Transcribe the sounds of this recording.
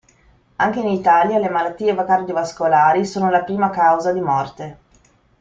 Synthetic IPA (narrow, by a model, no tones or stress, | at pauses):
aŋk̟einit̪aːljalemalat̪ːiːevakard̪jovaskolaːɾisoːnolapɾiːmakawzad̪imɔrt̪e